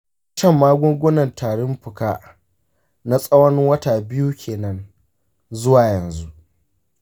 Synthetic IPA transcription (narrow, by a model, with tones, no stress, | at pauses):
t͡ʃɐ˦˨mːaː˦ɡʷʊ˦ɡʷʊ˦nɐ˨ntʰaː˨ɽɪ˦mɸʊ˨ka˦ | na˦sʼɐ˦wɐ˦nɪ˦ŋwɐ˦ta˨bɪ˦ju˦kʲʰeː˨nɐ˦n | zʊ˦waː˨jɐ˨nzu˦ʔ